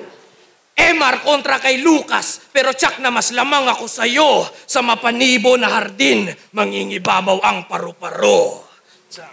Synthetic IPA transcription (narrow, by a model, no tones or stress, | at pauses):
ʔɛmɐɾkont̪ɾɐkɐjluːka̰spɛːɾo̞t͡ʃak̚nɐmɐslamaŋɐko̞sɐjosɐmɐpɐniːbo̞nɐhɐɾd̪ɪnmɐŋiŋɪbaːbawʔɐŋpɐɾopɐɾo